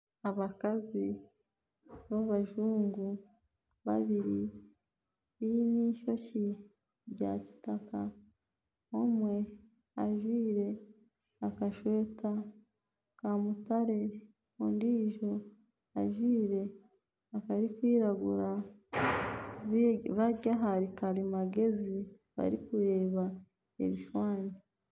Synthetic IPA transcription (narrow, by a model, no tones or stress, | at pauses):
aβakazi | βaβaʒuːŋɡu | βa̰βiɾi | βiniʃo̞ci | ɾɟa̰ːci̥taka | omwe̞ | aʒwiːɾe̞ | akaʃweːta | kamutaɾe̞ | ondiːʒo̞ | a̰ʒwiːɾe̞ | akaɾikwiːɾaɡuɾa | ββaɟaɦaɾikaɾimaɡe̞zi | βa̰ɾikuɾe̞ːβa | ḛβiʃwaːɲe